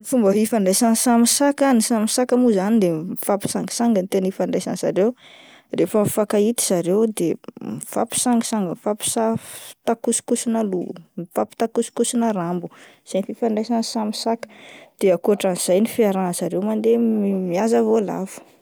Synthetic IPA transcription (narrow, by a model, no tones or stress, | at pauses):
fumbəfifaɳɖ͡ʐajsansamisakanisamisakəmuzanid̪emfapi̥saŋɡi̥saŋɡənt̪enifaɳɖ͡ʐajsansaɾew | refəmfakait̪i̥saɾewd̪emifa̰pi̥saŋɡisaŋɡəmfapi̥saft̪akuskusinəlumfapi̥t̪akusi̥kusinərambu̥ | z̥ajnfifaɳɖ͡ʐajsansamisakə̥d̪̥eakuaʈ͡ʂanz̥ajnifiaɾazaɾewmand̪emmiazavola̰vu̥